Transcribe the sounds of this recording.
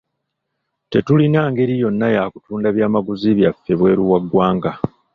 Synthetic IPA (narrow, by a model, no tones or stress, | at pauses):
te̞tulinaːŋɡe̞ɾijo̞nːajaːku̥tuːndaβjaːmaɡuziβjafːe̞βwe̞ːɾuwaɡwaːŋɡa